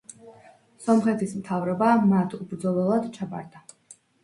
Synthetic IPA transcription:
sɔmχɛt̪ʰismt̪ʰavɾɔbamat̪ʰubɾd̪zɔlɛlˠad̪t͡ʃʰaba̰ɾd̪a

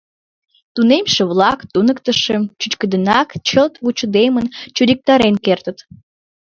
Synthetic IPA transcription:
t̪unemʃeβlɑkt̪unəkt̪əʃemt͡ɕut͡ɕkəd̪ənɑkt͡ɕəlt̪βut͡ɕud̪emənt͡ɕud̪ik̚t̪ɑɾenkert̪ət̪

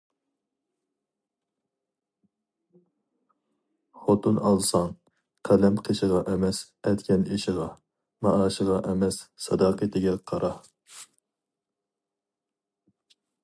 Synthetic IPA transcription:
χot̪unɑlˠsɑŋ | qʰælɛmqʰeʃəʁɑʔɛmɛs | ɛt̪kʲʰɛniʃɪʁɑ | mɑʔɑːʃəʁɑʔɛmɛsːɑd̪ɑːqət̪ʰɪɡʲɛqʰɑɾʔɑ

